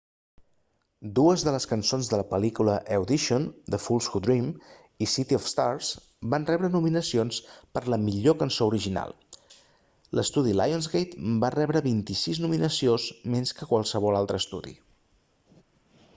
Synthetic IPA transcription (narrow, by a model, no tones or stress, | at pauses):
d̪uəzðələskənsonzðələpəlikuləʔewd̪iʃond̪əfulˠsxud̪ɾim | isit̪iɔfst̪aɾs | banrɛβɾənuminəsionspəɾləmiʎokənsouɾiʒina̰lˠ | lʔəst̪uðila̰jonzɣejt̪barɛβɾəβint̪isiznuminəsiozmenskəkwəlˠsəβɔlalˠt̪ɾəːst̪ṵðḭ